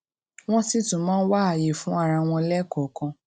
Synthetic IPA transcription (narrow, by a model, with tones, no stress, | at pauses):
w̃ɔ̃˦si˦tũ˨˦mãː˦wa˦a˨je˨fũ˦a˦˧ɾa˧w̃ɔ̃˧lɛ˦kɔ˨kã˧